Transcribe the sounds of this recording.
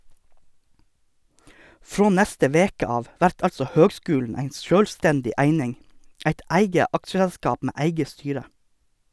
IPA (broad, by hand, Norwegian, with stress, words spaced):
ˈfɾoː ˈnɛstə ˈʋeːkə ˈɑːʋ ˈʋæɾt ˈɑlsɔ ˈhøːɡˌskʉːlɳ̩ ˈæɪ ˈʃøːlˌstɛndɪ ˈæɪnɪŋ ˈæɪt ˈæɪɡə ˈɑkʃəɛlˌskɑːp ˈmeː ˈæɪɡə ˈstyːɾə